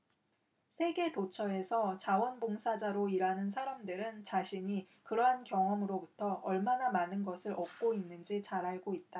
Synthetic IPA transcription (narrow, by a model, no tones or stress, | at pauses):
sʰe̞ɡe̞tot͡ɕʰʌe̞sʰʌt͡ɕawʌnboŋsʰad͡ʑaɾoiɾanɯnsʰaɾamdɯɾɯnt͡ɕaɕʰiɲi | kɯɾʌɦankjʌŋʌmɯɾobutʰʌʌɭmanamanɯnɡʌsʰɯɾʌp̚k͈oinːɯnd͡ʑit͡ɕaɾaɭɡoit̚t͈a